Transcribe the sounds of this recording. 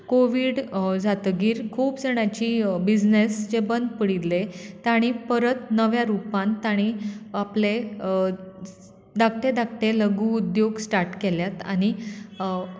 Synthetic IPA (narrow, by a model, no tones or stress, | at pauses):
koʋiːɽd͡zat̪əɡiːɾkʰuːpd͡zeɽ̃at͡ɕiːbid͡znesd͡ʑebənd̪pəɽit̪let̪aɽ̃ipəɾət̪nəʋjãɾupãnt̪aɽ̃iaple | d̪ak̚ʈ̪ed̪ak̚ʈ̪eləɡuːd̪joɡsʈaɾʈkeljat̪a̰ɽ̃i